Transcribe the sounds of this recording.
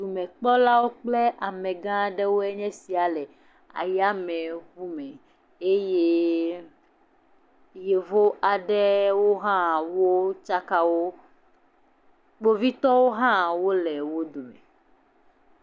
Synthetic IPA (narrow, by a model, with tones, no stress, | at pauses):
d̪u˨mɛ̃˨k͡pɔ˦la˦wo˦k͡plɛ˦ʔa˨mɛ̃˨ɡã˦ɖɛ˦wo˦ɛ˦ɲɛ̃˦si˨a˨lɛ˨ | a̰˨ja˦mɛ̃˨ɣu˦mɛ̃˨ | e˦je˦ | je˨vo˦ʔa˨ɖɛ˦wo˦ɦã˦wo˦t͡ʃa˦ka˦wo˦ | k͡po˦vi˦t̪ɔ˦wo˦ɦã˦wo˦lɛ˨wo˦d̪o˨mɛ̰˨